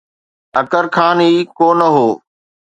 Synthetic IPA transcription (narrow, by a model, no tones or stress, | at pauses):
əkəɾkʰaːniːkoːnəɦoː